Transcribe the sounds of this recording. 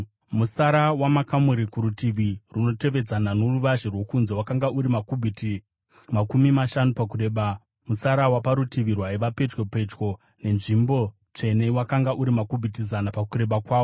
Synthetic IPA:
musaɾawamakamuɾikuɾutiʋiruno̞te̞ʋe̞d͡zananoruʋaʒerwo̞kunzewakaŋɡaʔuɾimakubʱit | makumimaʃanupak̬ure̞ːɓa | musaɾawapaɾutiʋirwaiʋape̞d͡ʒɡo̞pe̞d͡ʒɡo̞ | ne̞nʐimbo̞ | t͡ʂe̞ne̞wakaŋɡaʔuɾimakubʱit̬izanapakuɾe̞ɓakwaːʋo

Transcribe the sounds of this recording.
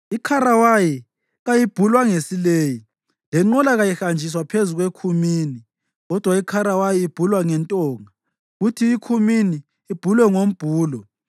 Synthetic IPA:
ikʰaɾawaji | ɣajib̥ʱulwaŋesileːji | lɛŋ͡ǃɔlaɣajixand͡ʒʱis̬wapʰezuɣwekʰumiːni | ɣɔd̥ʱwaikʰaɾawajiːb̥ʱulwaŋɛntʼɔːŋa | ɣutʰiːkʰuminiː | b̥ʱulwɛŋom̩b̥ʱuːlɔ

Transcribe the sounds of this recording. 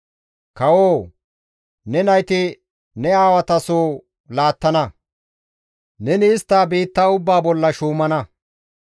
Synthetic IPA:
kɐwoː | nɛnɐjt̪ɪ | nɛaːwɐt̪ɐsoː | laːt̪ːɐnɐ | nɛnɪːst̪ːaːbiːt̪ːaːʊbːaːbɔlːɐʃuːmɐnɐ

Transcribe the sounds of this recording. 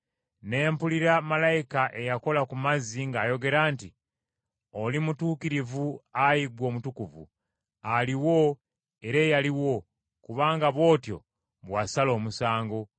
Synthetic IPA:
ne̞ːmpuliɾamalajikaʔe̞jako̞lakumaziŋɡaːjo̞ɡe̞ɾaːnti | o̞limutuːkiɾivuajiɡwo̞ːmutukuvṵ | aliwo̞ | e̞ɾejaliwo̞ | kuβaːŋɡaβwo̞ːtjo̞̰ | βwasalo̞ːmusaːŋɡo̞

